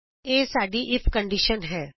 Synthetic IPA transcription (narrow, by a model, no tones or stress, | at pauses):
eːsaːɖiʔɪpʰkə̃ɳɖiʃənɦɛː